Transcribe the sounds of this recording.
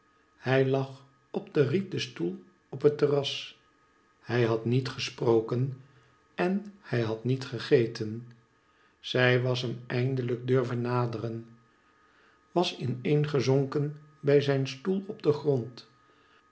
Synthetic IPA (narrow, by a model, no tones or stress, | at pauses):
hɛjlɑχ | ɔb̚dərit̚dəstulˠ | ɔpɦətərɑs | hɛjɦɑtnitχəsprowkən | ɛnhɛjɦɑtnitχəχejtən | z̥ɛjʋɑs̬ɦəmɛjndələɡ̚døɹvənːaːdərən | ʋɑsɪnejnχəzoŋkənbɛjzɛjnstulˠɔbdəχrɔnt